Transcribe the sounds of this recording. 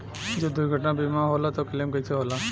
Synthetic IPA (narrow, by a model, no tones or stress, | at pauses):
d͡ʒoːd̪ʊjɡʱəʈnabimaɦolat̪okəlemkət͡ʃʰeɦoːlaː